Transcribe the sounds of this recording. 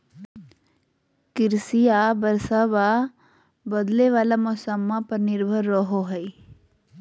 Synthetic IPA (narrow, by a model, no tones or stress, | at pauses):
kɪɾsijabəɾsaʋa | bəd̪leʋaːlamɔsəmːãpɐɾnɪɾbʱəɾːəɦoɦɛi